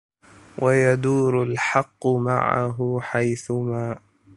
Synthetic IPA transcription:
wʔajad̪uːɾʊlħɑqːʊma̰ʕa̰ɦʊħajθʊmaːʔ

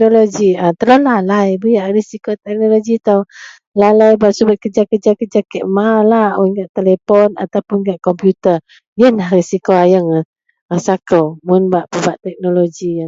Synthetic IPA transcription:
noloɡiat̪əlolalajbəjaʔrisikot̪ɛk̚noloɡit̪aw | lalajbaʔsubət̪̚kəd͡ʒakəd͡ʒakəd͡ʒakɛʔmalahəŋɡaʔt̪elepɔna̰t̪awpʊnɡaʔkɔmpjut̪ə | jənlahrisikoajəŋa | asakəwmʊnbaʔpəbaʔt̪ɛk̚noloɡia

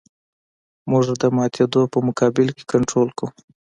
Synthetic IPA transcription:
mʊʒd̪əmɑt̪ʰed̪opəmʊkɑbɪlke̥kaɳʈɾolku

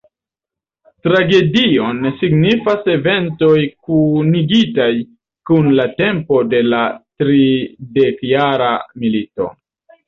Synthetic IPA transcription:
tɾaɡe̞dio̞nsiɡnifase̞ve̞nto̞jkuniɡitaj | kunlate̞mpo̞de̞latɾide̞kjaɾa̰milito̞̰

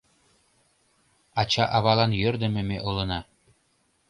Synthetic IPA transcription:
ɑt͡ɕɑʔɑβɑlˠɑnjø̆rd̪ɘ̆mɘ̆meʔŏlˠɤ̆nɑ

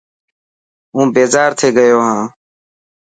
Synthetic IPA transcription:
ũːbeːzaːɾt̪ʰeːɡəjoːɦãː

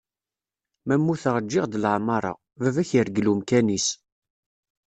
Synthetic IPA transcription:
mæmːuθəʁəd͡ʒːɪʁd̪əlʕmɑɾˤɑ̰ | vævæçəɾɡlumkænis

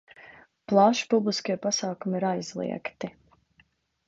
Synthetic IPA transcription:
plˠaʃpublˠiskiɛpasaːkumiiɾajzlˠḭɛkt̪i

